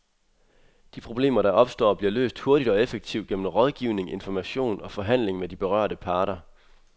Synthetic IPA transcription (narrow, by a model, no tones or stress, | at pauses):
d̥ipʰʁo̝b̥le̝̰ːmɐɾɑ̈ʔɒ̽b̥sd̥ɒ̰ːb̥liɐlø̰ːsd̥ho̝ɐɾ̥id̥ɒ̽efeɡ̥̚t͡sʰiʊ̰ɡ̥em̰n̩ʁɒ̽ð̞ˠɡ̥iʊne̝ŋe̝nfɒmæɕo̝̰ːnɒ̽fɒ̽ɦæn̰le̝ŋmed̥ib̥e̝ʁɶ̰ɐ̰ɾ̥əpʰɑ̈ːɾ̥ɐ